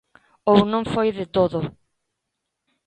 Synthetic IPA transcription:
ownõŋfojðɪt̪oðʊ

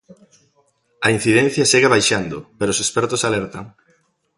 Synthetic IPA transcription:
ɐin̟θiðɛn̟θjɐseɣaβajʃand̪ʊpeɾosespɛɾt̪osalɛɾt̪ɐŋ

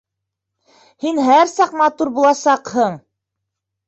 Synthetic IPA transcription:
hinɦæɾsɑqmɑt̪uɾbulˠɑsɑqhɤɴ

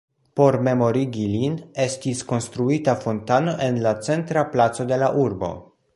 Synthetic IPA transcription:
po̞ɾme̞mo̞ɾiɡiline̞stisko̞nst̪ɾuitafo̞ntano̞ʔe̞nlat͡se̞ntɾaplat͡so̞de̞laʔuɾbo̞̰

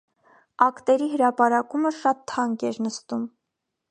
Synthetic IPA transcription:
ɑkt̪ɛɾiɦəɾɑpɑɾɑkuməʃɑt̪ʰːɑŋkɛɾnəst̪um

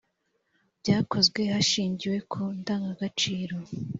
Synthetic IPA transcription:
bɟaːko̞zɡwe̞haʃiːɲɟiwe̞kʰondaːŋɡaɡat͡ʃiːɾo̞

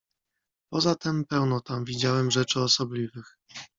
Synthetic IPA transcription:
pɔzat̪ɛmpɛwnɔt̪amvʲid͡ʑawɛmʐɛt͡ʂɘɔsɔblʲivɘx

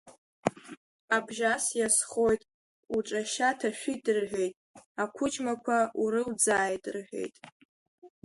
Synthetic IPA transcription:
abʒasjasχo̞jtʼ | uʈ͡ʂʼaʃatʰaʃʷᶣidʼɨrħʷᶣe̞jtʼakʷʰʊt͡ʃʼmakʷʰauɾɨwd͡zaːjtʼrħʷᶣe̞̰jtʼ

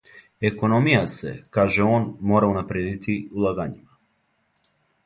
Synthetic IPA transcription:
eko̞no̞mijasḛkaːʒeo̞ːnmo̞ːɾaunapɾeːd̪it̪ʰiulˠaɡaɲima

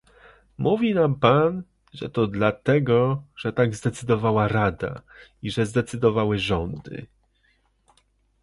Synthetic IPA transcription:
muvʲinampan | ʐɛ̰t̪ɔd̪lat̪ɛɡɔʐɛt̪aɡzd̪ɛt̪sɘd̪ɔvawaɾad̪a̰iʐɛzd̪ɛt̪sɘd̪ɔvawɘʐɔnd̪ɘ̰

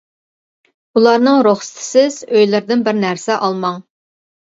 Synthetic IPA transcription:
ulˠɑɾnɨŋɾoχst̪ʰɪ̥sɪz̥øjlɪɾd̪ɪnbɪɾnæɾsɛʔɑlˠmɑŋ

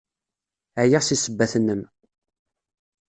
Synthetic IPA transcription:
ʕjiʁsisəbːæθənːəm

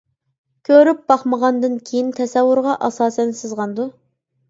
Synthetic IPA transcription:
kʲʰøɾyp̚b̥ɑχməʁɑnd̪ɨnkʲʰejint̪ʰɛsɛwːuɾʁɑʔɑsɑːsɛnsɨzʁɑnd̪u

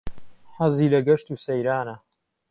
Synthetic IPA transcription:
ħɐziːlɐɡɐʃt̪uːsɐjɾaːnɐ

